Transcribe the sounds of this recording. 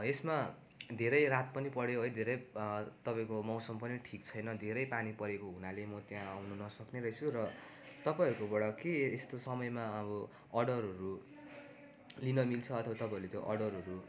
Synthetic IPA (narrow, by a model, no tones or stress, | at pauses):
esma | d̪ʱeɾʌjɾat̪̚pʌnipʌɽjeoɦʌjd̪ʱeɾʌjt̪ʌpaĩkomawsʌmpʌniʈʰikt͡sʰʌjnʌd̪ʱeɾʌjpanipʌɾekoɦunalemʌt̪jãawnunʌsʌkneɾʌjt͡sʰurʌ | t̪ʌpajʌɾukobʌɽʌkeest̪osʌmʌjmaʌbʌ | ʌɽʌɾʌɾu | linʌmilt͡sʰʌʌt̪ʰʌbat̪ʌpãiɾulet̪joʔʌɽʌɾɦʌɾu